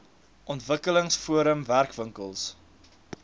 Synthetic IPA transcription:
ʔɔntvəkələŋsfuəɾəmværkvəŋkəlˠs

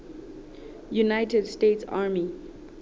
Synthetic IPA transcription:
junaɪtɛdstetsa̰ːmi

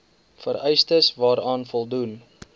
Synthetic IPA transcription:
fəɾɛjstəsvɑːɾɑːnfɔlˠdun

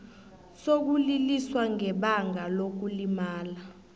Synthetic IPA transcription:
sok̬uliliswaŋɛɓaŋalok̬ulimaːla

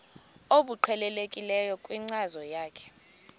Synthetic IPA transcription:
oɓuǃʰɛlɛlekʼilɛjɔkʼwiŋ͡ǀazɔjaːkʰɛ̥

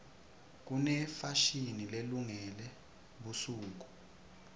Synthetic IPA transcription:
k̬unɛfaʃinileluŋɛlɛ | ɓusuːk̬u̥

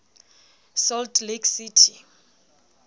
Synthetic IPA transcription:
sɔldliɡsitʰi

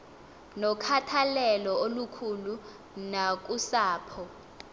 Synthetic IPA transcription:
nɔkʰatʰalɛlɔolukʰulu | nak̬usaːpʰɔ

